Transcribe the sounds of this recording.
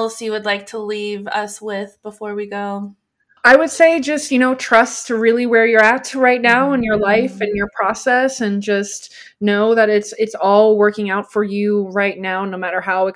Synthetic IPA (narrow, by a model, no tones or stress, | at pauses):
sjɨwɨdˡlaɪk̚tʰəlivʌ̰swɪð̥b̥əfɔɹwiɡoʊ | aɪwɨd̥seɪd͡ʒʌst̚jɨnoʊtʰɹ̥ʌstɹɪlˠiwɛ˞jə˞æk̚tʰɹaɪtⁿnaʊə̃njə˞laɪfɨ̃njə˞pʰɹ̥ɔsɛsɨ̃nd͡ʒʌst | noʊðɨɾɪtsɨtsɔlˠwɜ˞kɪ̃ŋaʊtfə˞jʉɹaɪtⁿnaʊnoʊmæɾə˞ɦaʊɨ